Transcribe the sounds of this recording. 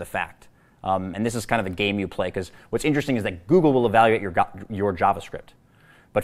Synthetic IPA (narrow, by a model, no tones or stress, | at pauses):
ðɨfæ̰k̚t | ɨ̃nðɪs̬ɨz̥kʰãɪ̃ndʌvɨɡẽɪ̃mjɨpʰl̥eɪkʰʌzwʌtsɪ̃nt͡ʃɹ̥ɨstɪ̃ŋɨzðɨt̚ɡ̥uɡl̩ˠwəlˠəvælˠjʉeɪt͡ʃə˞jə˞d͡ʒɑvəskɹɪ̰p̚t̚ | b̥ʌt